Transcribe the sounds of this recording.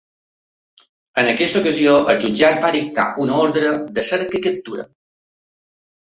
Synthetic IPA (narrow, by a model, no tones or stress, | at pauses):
ənəkɛst̪əukəzioʔəlˠʒud͡ʒat̪̚baðik̚t̪a̰ʔunəoɾðɾəd̪əsɛɾkəkət̪ːuɾə̰